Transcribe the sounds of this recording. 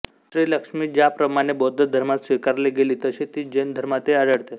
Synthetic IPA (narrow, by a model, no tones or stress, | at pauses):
ʃɾiːləkʂmiːd͡ʑjapɾəmaɽ̃ebod̪ʱəd̪ʱəɾmat̪sʋikaɾleɡeliːt̪əset̪iːd͡ʑend̪ʱəɾmat̪eaɽəɽt̪e